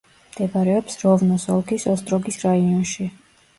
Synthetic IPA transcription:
md̪̥ɛbaɾɛɔpsɾɔvnɔsɔlˠkʰisɔst̪ʼɾɔɡisɾaiɔnʃi

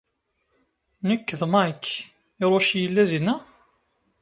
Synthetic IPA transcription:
nəkːðmakː | ɪɾˤoʃjəlːæðinæ

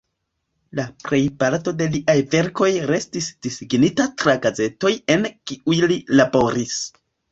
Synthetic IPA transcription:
lapɾe̞jpaɾto̞de̞liʔajve̞ɾko̞jɾe̞stisd̥isiɡnitatɾaɡaze̞to̞je̞nkiujlilabo̞ɾis

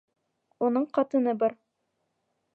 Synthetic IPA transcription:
unɤɴqɑt̪ɤ̆nɤbɑɾ

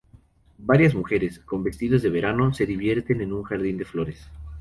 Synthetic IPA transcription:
baɾjazmuxe̞ɾe̞sko̞mbe̞st̪iðazðe̞βe̞ɾano̞se̞ðiβjeɾt̪e̞nenuŋxaɾðind̪e̞flo̞ɾe̞s

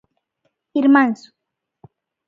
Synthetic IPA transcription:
iɾmansʊ̥

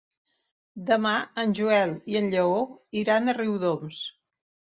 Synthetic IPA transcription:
d̪əmaənʲʒuɛlˠiənʎəoiɾanəriwðoms

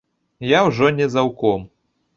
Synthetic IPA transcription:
jawʐɔnʲɛzawkɔm

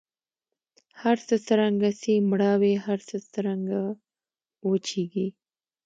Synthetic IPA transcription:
haɾsəsəɾaŋɡasimɽɑwehaɾsəsəɾaŋɡa | wot͡ʃeɡi

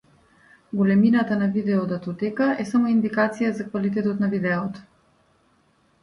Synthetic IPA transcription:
ɡolɛminat̪anavid̪ɛɔd̪at̪ɔt̪ɛkaʔɛsamoind̪ikat̪sijazakvalit̪ɛt̪ɔt̪navid̪ɛɔt̪ɔ̥

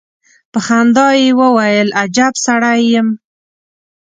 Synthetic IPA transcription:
pəxand̪ɑjewəwajəlʔad͡ʒabsaɽajːəm

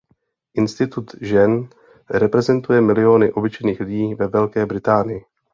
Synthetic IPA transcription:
ʔɪnst̪ɪt̪ut̪ʒɛn | ɾɛpɾɛzɛnt̪ujɛmɪlɪo̞nɪʔo̞bɪt͡ʃɛjniːxlɪɟiːvɛvɛlkɛːbɾɪt̪aːnɪjɪ

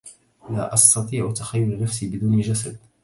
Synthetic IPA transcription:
la̰ʔɑst̪ɑt̪ˤiːʕt̪axajːʊlnafsiːbɪd̪uːnʒasad̪̚

